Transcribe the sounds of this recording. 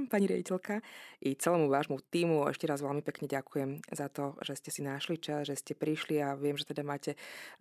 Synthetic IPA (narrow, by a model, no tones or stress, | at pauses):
mpaɲiɾɪa̰ɟicɛlkaʔit͡sɛlɛːmuʋaːʒmut̪iːmuɛ̰ʃcɛɾazʋɛlmipɛkɲɛɟakujɛmzat̪ɔʒ̥ɛscɛsinaʃlit͡ʃazʒɛscɛpɾiʃliaʋɪɛmʒɛt̪ɛd̪amaːcɛ